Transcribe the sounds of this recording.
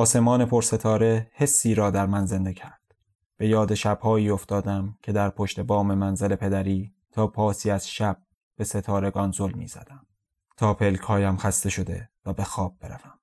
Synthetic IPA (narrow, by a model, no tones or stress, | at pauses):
ɒːse̞mɒːne̞pʰoɾse̞t̪ʰɒːɾe̞he̞sːiːɾɒːd̪æɾmænze̞nd̪e̞cʰæɾd̪̥ | b̥e̞jɒːd̪eʃæb̥hɒːiːo̞ft̪ɒːd̪æmcʰe̞d̪æɾpʰoʃt̪e̞bɒːme̞mænzele̞pʰe̞d̪æɾiː | t̪ʰɒːpʰɒːsiːæz̥ʃæb̥̚ | b̥e̞se̞t̪ʰɒːɾe̞ɡɒnzolmḭːz̥æ̰d̪̥æm | t̪ʰɒːpʰe̞lcʰhɒːjæmxæst̪e̞ʃo̞d̪e̞̰væbe̞xɒːb̚b̥e̞ɾævæm